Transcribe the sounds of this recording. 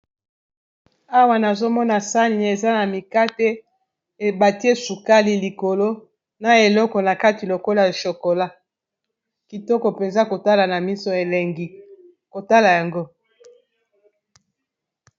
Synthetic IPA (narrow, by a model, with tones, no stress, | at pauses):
a˦wa˨na˨zo˦mɔ˦na˨sa˦ni˨n˨e˨za˦na˨mi˨ka˦te˦ | e˨ba˨ti˦e˦su˨ka˦li˦li˨ko˨lo˦ | na˨e˨lɔ˦kɔ˨na˨ka˦ti˨lo˨ko˦la˦˨a˨ʃo˨ko˨la˦ | ki˨tɔ˦kɔ˨pe˨nza˦ko˨ta˦la˨na˨mi˦so˨e˨le˨ŋɡi˨ | ko˨ta˦la˨ja˨ŋɡo˦